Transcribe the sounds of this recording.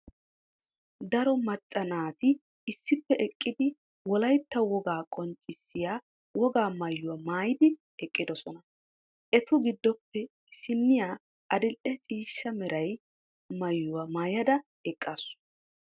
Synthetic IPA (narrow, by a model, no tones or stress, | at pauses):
d̪ɐɾɔmɐt͡sʼːɐnaːt̪ɪ | ɪsːɪpːɛʔɛkʼːɪd̪ɪ | wɔlɐjt̪ːɐwɔɡaːkʼɔnt͡ʃʼːɪsːɪjaː | wɔɡaːmɐjːʊwɐmaːjɪd̪ɪ | ɛkʼːɪd̪ɔsɔnɐ | ʔɛt̪ʊɡɪd̪ːɔpːɛ | ɪsɪnːɪjaː | ʔɐd̪ɪlʔɛt͡sʼiːʃːɐmɛɾɐj | mɐjːʊwamaːjɐd̪ɐ | ɛkʼːasʊ̥